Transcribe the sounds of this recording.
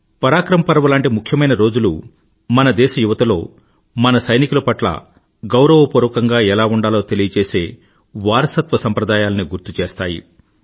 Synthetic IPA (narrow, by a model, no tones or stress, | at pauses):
pɐɾaːkɾɐmɐpɐɾɐʋɐlaːɳʈimukʰjɐmɐjnɐɾo̞ːd͡ʒulṵ | mɐnɐd̪ɛːʃɐjuʋɐt̪ɐlo̞ː | mɐnɐsɐjnikulɐpɐʈlɐ̰ | ɡɐwɾɐʋɐpuːɾʋkɐŋɡaːɛlaːuɳɖaːlo̞ːt̪e̞lijɐt͡ʃeːse̞ː | ʋaːɾɐsɐt̪ʋɐsɐmpɾɐd̪aːjaːlɐniɡuɾt̪ut͡ʃeːst̪aːjḭ